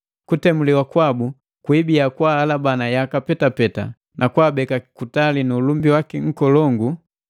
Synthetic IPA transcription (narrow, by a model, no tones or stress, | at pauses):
kutɛmuliwakwabu | kwibiakwaːlabanajakapɛtapɛta̰ | nʔakwaːbɛkakkutalinuːlumbiwakiŋ̩kɔlɔŋɡu